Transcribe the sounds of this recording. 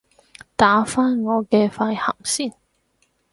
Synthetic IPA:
t̪aː˨˥faː˥nŋɔː˨˧kɛː˧faː˧jhɐ̰˨˩msiː˥˩n

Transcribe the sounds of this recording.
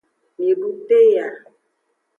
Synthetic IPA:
ni˨bu˦te˦ja˨

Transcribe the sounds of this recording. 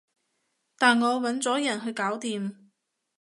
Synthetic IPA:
t̪aː˨nŋɔː˨˧wɐ˨˥nt͡sɔː˨˥jɐ˨˩nɦɵ˧ɥkaː˨˥wt̪iː˨m

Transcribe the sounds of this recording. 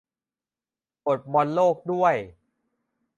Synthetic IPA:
po˨˩t̪̚mɔ˧nloː˥˩k̚du˥˩əj

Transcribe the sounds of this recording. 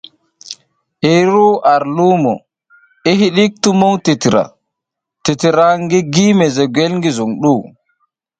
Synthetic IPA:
ʔeɾu˦ʔa˨ɾlu˦mɔ̰˨ | e˦ɦi˦ɗi˦k̚tu˦mo˦wti˨ti˨ɾa̰˨ | te˨tiɾaŋɡi˦ɡiː˦mɛ˨zɛ˨ɡwe˦lŋɡi˦zu˨ŋɗu˦

